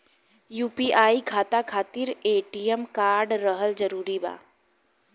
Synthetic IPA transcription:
juːpiʔaːikʰaːt̪akʰaːt̪ɪɾeːʈijəmkaːɾɖɾəɦəld͡ʒəɾuːɾiba̰ː

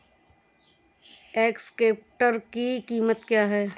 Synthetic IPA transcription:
eːkskeːp̚ʈəɾkikiːmət̪kjaːɦɛː

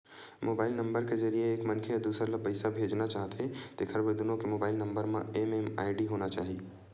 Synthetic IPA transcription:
moːbaːɪlnə̃mbəɾkezɐɾijeːkmɐnkʰejəd̪uːsɾlɐbəɪsabʱeːd͡ʒnat͡ʃaːɦt̪et̪ekʰəɾbəɾd̪ʊnõkemoːbaːɪlnə̃mbəɾmã̰emema̰ːɪɖiɦoːnat͡ʃaːɦiː

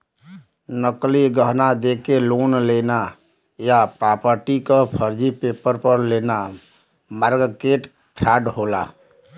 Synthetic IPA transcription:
nəkliɡəɦnad̪eːkeloːnleːna | japɾaːpəɾʈikapʰəɾd͡ʒipeːpəɾpəɾleːna | maːɾɡkeːʈ | pʰɾaːɖɦoːla̰ː

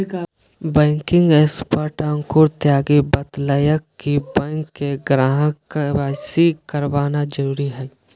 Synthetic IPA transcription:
bɛ̃ːŋkɪ̃ŋɡɛːspəʈãːŋkʊɾt̪jaːɡibət̪ləjəkːibɛ̃ŋkːeɡɾaːɦə̃kwaːsikəɾwaːnad͡ʒəɾuːɾiɦɛː

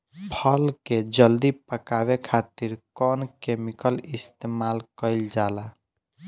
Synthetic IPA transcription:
pʰəlked͡ʒəld̪ipəkaβekʰat̪iɾkɔnkemikəlist̪emalkəɪld͡ʒala

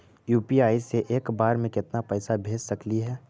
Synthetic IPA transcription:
juːpiaːiseʔeːkbaːɾmẽkɪt̪napɛːsabʱeːd͡ʒsɐkliɦɛː

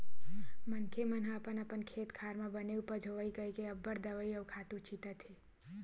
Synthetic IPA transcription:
mənkʰemənɦãəpənəpənkʰeːt̪kʰaːɾmãbəneupəɾd͡ʒʱoʋəikəikeəbːəɾd̪əʋəiəʋkʰat̪ũt͡ʃʰit̪ət̪ʰe

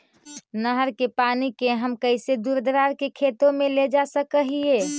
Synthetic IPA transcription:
nəɦəɾkepanikeɦəmkəɪsed̪uɾd̪ɾaɾkekʰet̪õmeled͡ʒasəkəɦie

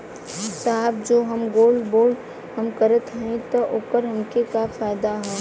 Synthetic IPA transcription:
saːɦbd͡ʒoːɦɐmɡoːlboːɖ | hɐmkəɾət̪ɦɛ̃t̪oʔoːkəɾɦɐmkekafaːɪd̪aɦɛ̃ː

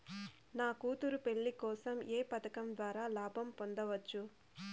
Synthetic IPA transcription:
naːkuːt̪uɾupe̞ɭːikɔːsɐmeːpɐt̪ɐkɐmd̪ʋaːɾaːlaːbʱɐmpond̪ɐʋɐt͡ʃːu

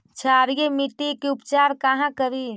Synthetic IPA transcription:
t͡ʃʰaːɾjemiʈ̪ikeʊpt͡ʃaːɾkaɦãkəɾiː

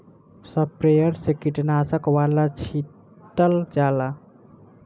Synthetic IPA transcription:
səpɾejəɾsekiʈnasəkwalat͡ʃʰi | t̪əld͡ʒala

